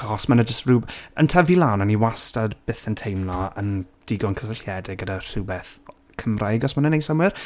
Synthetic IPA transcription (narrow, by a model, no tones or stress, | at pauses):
ɔsmənəd͡ʒəstruːbə̰ntʰɛvilˠawnɔniwastadb̥ɪθəntʰejmnɔə̰n | d̥ɪɡɔnkʰəsəɬjɛdɪɡədar̥ubɛθ | kʰəmrajɡɔsmanənejsamwɪr